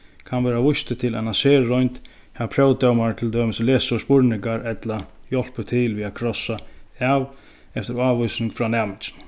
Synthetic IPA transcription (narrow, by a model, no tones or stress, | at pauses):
kʰanʋɛːɾaʋʊst̪ɪt̪ʰɪlanaseːɹɔjnt̪ | hɛvapʰɾœwt̪œwmaɹt̪ʰɪld̪øːmɪsɪleːsɪʊspʊɹnɪŋkaɹɛt̪lajɔl̥pʏt̪ʰɪlʋiːaðkʰɾɔsaav | ɛft̪ɪɾaːʋɔjsnɪŋkfɾanæːmɪnt͡ʃɪ̥n